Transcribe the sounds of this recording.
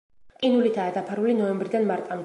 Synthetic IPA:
kʼinulit̪ʰaːd̪apʰaɾulinɔɛmbɾid̪anmaɾt̪ʼamd̪

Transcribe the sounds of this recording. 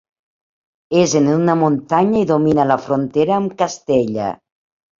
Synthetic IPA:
ezenunamont̪aɲaiðominalafɾont̪eɾaːmkast̪eʎa̰

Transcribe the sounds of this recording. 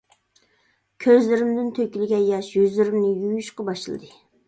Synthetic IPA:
kʲʰøzlɪɾɪmd̪ɪnt̪ʰøkʲilɪɡʲɛjɑʃjyzlɪɾɪmnɪjyjʃqɑbɑʃɨlˠɨ̰d̪ɨ

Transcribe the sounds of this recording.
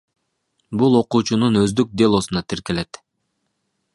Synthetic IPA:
bulˠo̞quːt͡ʃununøzd̪yk̚d̪elˠo̞sunɑt̪ʰiɾke̞le̞t̪

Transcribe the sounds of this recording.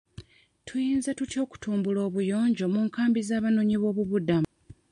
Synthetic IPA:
tʰujiːnzatuco̞ːku̥tuːmbulo̞ːβujo̞ːɲɟo̞muːŋkaːmbizaːβanoɲiβo̞ːβuβudamu

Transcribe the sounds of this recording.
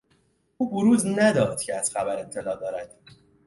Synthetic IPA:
uːboɾuːznæd̪ɒːd̪̥̚cʰeæz̥xæbæɾe̞t̪ʰːe̞lɒːd̪ɒːɾæd̪̥

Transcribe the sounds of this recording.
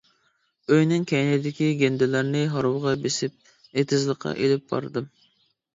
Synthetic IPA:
øjnɪŋkʲʰɛjnɪd̪ɪkʲiɡʲend̪ɪlæɾnɪɦɑɾuwʁɑbesɪp̚ | net̪ʰɪzlˠəqʰːɑ̰ʔelɪp̚b̥ɑ̰ɾd̪ɨm

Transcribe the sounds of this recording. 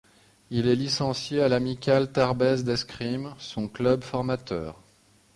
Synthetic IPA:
ilɛlisɑ̃sjealamikʲalt̪aʁbɛzd̪ɛskχimsɔ̃klœbfɔʁmat̪œːʁ

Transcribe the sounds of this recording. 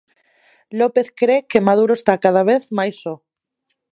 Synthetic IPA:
lopeθkɾekemaðuɾoest̪akaðaβ̞eθmajso

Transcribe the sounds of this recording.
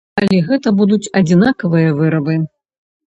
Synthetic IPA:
ɐlʲɛɣɛt̪ɐbud̪ut͡sʲɐd͡zʲinakɐvɨjɐvɨɾɐbɨ

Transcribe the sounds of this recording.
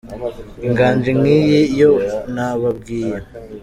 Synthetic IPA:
iŋɡaːnd͡ʒiŋŋiːjijonaβab̚ɡiːje

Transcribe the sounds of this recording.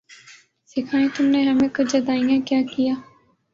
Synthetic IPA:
sɪkʰaːẽːt̪ʊmneːɦəmẽkʊd͡ʒəd̪aːijãːkjaːkijaː

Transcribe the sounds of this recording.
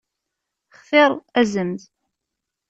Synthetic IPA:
χθɪɾˤæzəmθ

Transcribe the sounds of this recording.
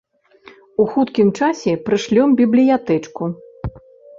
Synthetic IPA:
uxut̪kʲimt͡ʂasʲɛpɾɨʂlʲɔmbʲiblʲijat̪ɛt͡ʂku

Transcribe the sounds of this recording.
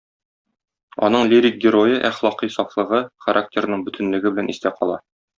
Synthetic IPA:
ɒ̰nɤɴlʲiɾʲik̚ɡʲɪɾojɤʔæχlˠɒqisɒflˠɤ̆ʁɤχɐɾʔak̚tʲeɾnɤɴbɵ̆t̪ʰɘ̆nlɘ̆ɡɘbɘ̆lænʔist̪æqɒ̰lˠɑ

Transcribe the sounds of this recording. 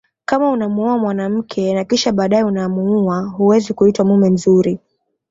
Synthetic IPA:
kamaunamuuamwanam̩kʰɛnakiʃaɓaːɗajɛunamuuaɦuwɛzikuitwamumɛnzuɾi

